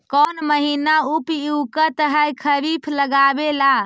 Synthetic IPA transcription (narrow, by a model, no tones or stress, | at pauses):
kɔnməɦinaupiwkət̪əɦəjkʰəbipʰləɡabela